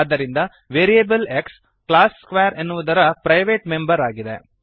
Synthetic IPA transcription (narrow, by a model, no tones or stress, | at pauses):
d̪ːɐɾind̪ɐ | ʋeːɾijebɐleks | klaːsːkʋeːɐɾenːuʋud̪ɐɾɐpɾɐjʋeːʈme̞mbɐɾaːɡid̪e̞̰